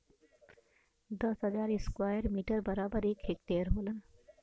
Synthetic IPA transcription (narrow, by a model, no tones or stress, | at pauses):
d̪ɐsɦɐd͡ʒaːɾɪskwaːjəɾmiːʈəɾbɐɾaːbəɾeːkʰeːk̚t̪eːɾɦoːlən